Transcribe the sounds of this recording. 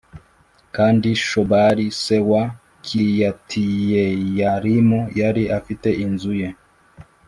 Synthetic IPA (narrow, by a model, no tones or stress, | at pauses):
kandiʃɔbaɾisɛwa | kʰijatʰijɛjaɾimujaɾiʔafitɛʔinzujɛ